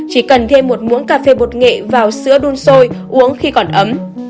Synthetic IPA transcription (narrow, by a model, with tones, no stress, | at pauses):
t͡ɕi˧˩kə˨˩nt̪ʰe˧mːo˨˩t̚mu˨˦ənkaː˧fe˧ɓo˨˩t̚ŋḛ˧˨vaː˨˩wsɨ̰˧˥əɗu˧nso˧jʔu˨˦əŋxi˧kɔ˨˧˩nʔə˨˦m